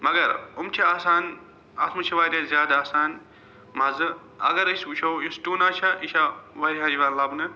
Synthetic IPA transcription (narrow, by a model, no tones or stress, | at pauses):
mɐɡɐɾumt͡ʃʰiaːsaːn | ɐ̰t̪ʰmut͡ʃʰiʋaːɾʲɐzʲjaːd̪aːsaːn | mɐzɨ | ɐ̰ɡɐɾisut͡ʃʰowjusʈuːnaːt͡ʃʰɐʔiʃaʋɐɾiɦad͡ʒiʋaːnlɐbnɨ